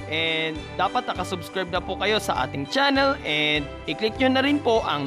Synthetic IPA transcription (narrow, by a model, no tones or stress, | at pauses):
ʔɛd̪aːpɐt̪̚nɐkɐsʊbskɹajb̚nɐpʊkɐjo̞sɐ̰ʔa̰ːt̪ɪŋt͡ʃanɛlʔɛnd̪̚ʔɪklɪk̚ɲʊnːɐɾɪnpo̞ʔɐ̰ŋ